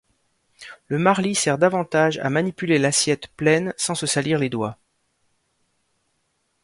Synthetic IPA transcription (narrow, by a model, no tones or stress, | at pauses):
ləmaʁlisɛʁd̪avɑ̃t̪aʒa̰manipylelasjɛt̪plɛnsɑ̃səsaliʁled̪wa